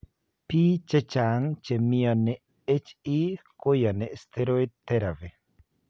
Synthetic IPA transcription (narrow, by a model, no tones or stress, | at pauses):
pit͡ʃet͡ʃaŋt͡ʃemiane | et͡ʃikojanest̪eɾojt̪eɾave